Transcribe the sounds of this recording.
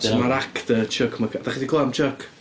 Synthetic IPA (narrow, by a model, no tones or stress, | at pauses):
tʰmaɾakʰdət͡ʃʰəkʰmakad̥aχidikʰlaamt͡ʃʰəkʰ